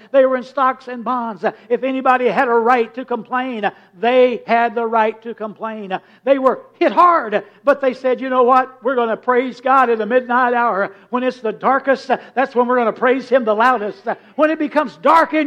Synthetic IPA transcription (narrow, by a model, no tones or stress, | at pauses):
ðeɪwə˞ɨ̃nstɑksɨ̃nbɑ̃nzɨfɛnibɑɾiɨɾəɹaɪtʰɨkə̃mpʰl̥ẽɪ̃n | ðeɪɨd̪̚ðəɹaɪtʰɨkə̃mpʰl̥ẽɪ̃n | ðeɪwə˞hɪt̚hɑɹd̚ | b̥ʌt̪̚ðeɪsɛdjɨnoʊwʌt̚wɪɹɡʌnəpʰɹ̥eɪzɡɑɾɨ̃nðɨmɪdⁿnaɪɾaʊə˞wə̃nɨtsðɨdɑɹkɨst̚ðætswə̃nwɨɹɡʌnəpʰɹ̥eɪz̥ɨ̃mðəlaʊɾɨst̚ | wə̃ñɨt̚b̥ɨkʰʌ̃mzdɑɹkɨ̃